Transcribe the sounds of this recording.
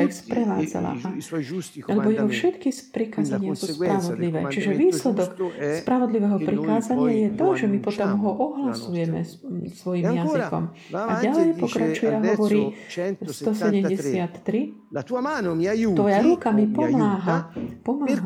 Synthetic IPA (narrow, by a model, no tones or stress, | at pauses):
ixspɾɛʋa̰ːd͡za̰la̰ʔa | alɛbɔjɛɦɔfʃɛt̪kispɾikaːzaɲɪasuːspɾaʋɔd̪liʋɛ̰ːt͡ʃiʒɛʋiːslɛd̪ɔkspɾaʋɔd̪liʋɛɦɔpɾikaːzaɲɪajɛt̪ɔʒɛmipɔt̪ɔmɦɔʔɔɦlasujɛmɛ̰ | sʋɔjimjazikɔ̰m | aɟalɛjpɔkɾat͡ʃujɛaɦɔʋɔɾiːst̪ɔsɛɟɛmɟɛsɪat̪ːɾi | ʋɔjaɾukamipɔmaːɦapɔmaːɦ